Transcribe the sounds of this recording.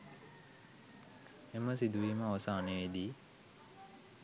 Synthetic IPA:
eməsid̪uʋiːməːʋəsaːneid̪iː

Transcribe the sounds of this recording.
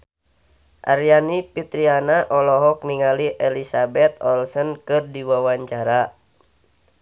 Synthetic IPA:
ʔaɾjanipit̪ɾianaʔɔlɔɦɔk̚niŋaliʔɛlisabɛt̪̚ɔlsɔnkɨrdiwawaɲt͡ʃaɾa

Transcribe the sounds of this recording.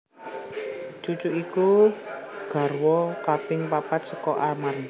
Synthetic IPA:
t͡ʃut͡ʃuʔiku | ɡ̥a̤rwɔkapɪŋpapat̪sə̥kɔʔamar

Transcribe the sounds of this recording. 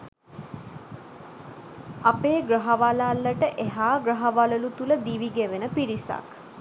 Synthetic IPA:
apeːɡrəɦaʋalalːəʈəʔeɦaːɡɾəɦaʋaləlut̪uləd̪iʋiɡeʋenəpiɾisa̰k

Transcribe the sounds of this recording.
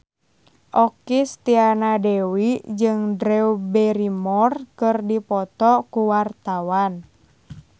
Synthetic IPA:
ʔɔkist̪ianadɛwid͡ʒɨŋdɾɛubɛɾimɔrkɨrdipɔt̪ɔkuwart̪awan

